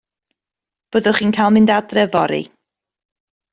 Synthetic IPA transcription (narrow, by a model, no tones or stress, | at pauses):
b̥əðʊχiːnkʰajlˠmɪndadrɛvɔɾḭ